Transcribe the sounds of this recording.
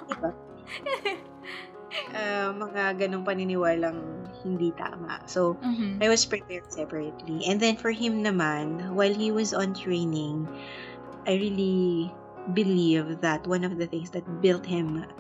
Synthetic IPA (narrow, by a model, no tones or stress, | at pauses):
d̪ɪba | ʔamɐŋaɡɐnoŋpɐnɪnɪwaːlɐŋhɪnd̪it̪a̰ːma̰ʔsowʔajwɔspɹɛpɛɹd̪̥̚sɛpəɹɛt̪liʔɛ̃nd̪ɛ̃nfɔɹɦɪ̃mnɐmanwajlhiwɐzɔ̃nt̪ɹẽjnɪ̃ŋ | ʔajɹili | bɪlivðɐt̪wɐ̃nɔvðɐθɪ̃ŋsd̪ɐt̪̚bɪlt̪̚hɪ̃m